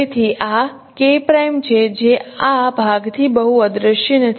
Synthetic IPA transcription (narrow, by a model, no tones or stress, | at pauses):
t̪ʰiʔa | kepɾajmt͡ʃʰed͡ʒeabʱaɡt̪ʰibəɦuəd̪ɾəʃjənət̪ʰ